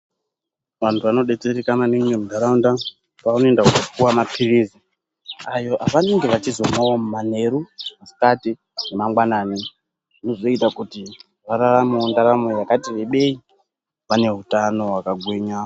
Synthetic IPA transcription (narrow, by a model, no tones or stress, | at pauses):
ʋantʰuʋano̞ɗe̞t͡seɾikananiŋwemudʱaɾaunda | paunoendakukopuwamapʰirizi | ajo̞ʔaʋaneŋɡe̞ʋat͡ʃizo̞mwawomumane̞ɾumasi̥kati | nemaŋɡwanaːni | nozo̞itakuti | ʋaɾaramondaɾamojakatiʋe̞ɓe̞i | ʋane̞ɦutano̞ɦwakaɡʱweɲa